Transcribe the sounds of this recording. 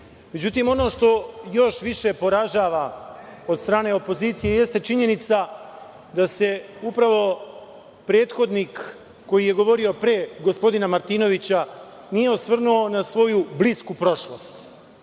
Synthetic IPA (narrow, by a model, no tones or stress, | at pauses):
me̞d͡ʑut̪iːmo̞no̞ʃt̪o̞jo̞ʃʋiʃe̞po̞ɾaʒaːʋa | od̪st̪ɾaːne̞o̞po̞ziːt̪sije̞je̞st̪et͡ʃiɲe̞nit̪sa | d̪ase̞upɾaʋo̞ | pɾe̞ːt̪xo̞d̪niːkː | o̞jije̞ɡo̞ʋo̞ɾio̞pɾe̞ːɡo̞spo̞d̪inamaɾt̪iːno̞ʋit͡ɕa | nijeosʋr̩nuo̞nasʋo̞jubliskupɾo̞ʃlo̞st̪